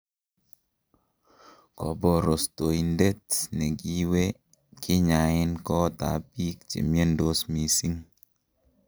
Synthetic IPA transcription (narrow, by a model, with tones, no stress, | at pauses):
kɔ˨bɔ˨ɾo˨sto˨i˨nde˦t̚nɛ˨ki˦we˦ | kʰɪ˦ɲa˨ɪ˦nkɔ˦ta̰˨pi˦k̚t͡ʃḛ˨mje˦ndo˦smi˨si˦ŋ